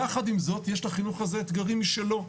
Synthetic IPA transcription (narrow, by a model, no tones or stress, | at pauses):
aχad̪imzo̞t̪jeʃlaχinuχazeːt̪ɡaʁimiʃe̞lo̞